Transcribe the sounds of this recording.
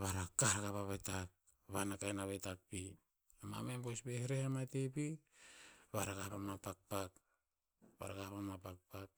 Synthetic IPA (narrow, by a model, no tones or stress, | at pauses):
βaɾakaɦaɡaβaβajtak̚ | βanakajnaβejtak̚pi | ama̰membosbeheɾehamatepi | βaɾaɡahpamapak̚pak | βa̰ɾaɡahpamapak̚pak̚